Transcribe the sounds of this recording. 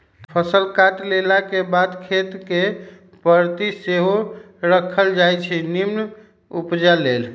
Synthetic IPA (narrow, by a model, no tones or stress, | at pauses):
pʰəsəlkaʈlelakebad̪kʰet̪ke | pəɾt̪iseɦo | ɾəkʰəld͡ʒajt͡ʃʰɛnimn | upd͡ʒalel